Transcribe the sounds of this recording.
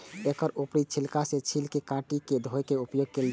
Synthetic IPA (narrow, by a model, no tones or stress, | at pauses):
ekɔɾupɽit͡ʃʰilkaset͡ʃʰilkekãʈiked̪ʱojkeupjoɡ̚keld̪